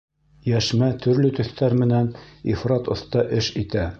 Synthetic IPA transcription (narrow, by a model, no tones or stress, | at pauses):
jæʃmæt̪ʰɵ̆ɾlɵt̪ɵ̆θt̪æɾmɘ̆nænḭfɾɑt̪ŏθt̪ɑʔɘʃit̪æ